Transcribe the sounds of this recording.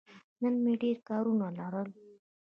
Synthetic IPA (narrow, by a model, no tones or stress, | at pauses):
nənmeɖeɾkaɾunalaɾəl